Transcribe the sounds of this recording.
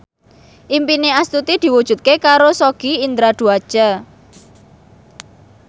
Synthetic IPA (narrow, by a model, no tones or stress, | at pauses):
ʔimpineast̪ut̪id̪̥i̤wud̥ʒ̥ṳt̪̚kekaɾosoɡ̥iind̪ɾad̪̥ṳad̥ʒ̥a̤